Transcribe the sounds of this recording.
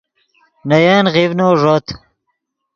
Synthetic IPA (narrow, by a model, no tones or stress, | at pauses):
nɐjaːnʁivnoːʐot̪